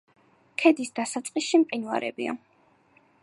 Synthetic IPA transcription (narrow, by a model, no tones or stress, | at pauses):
kʰɛd̪isd̪asat̪sʼqʼisʃimqʼinwa̰ɾɛ̰bḭa̰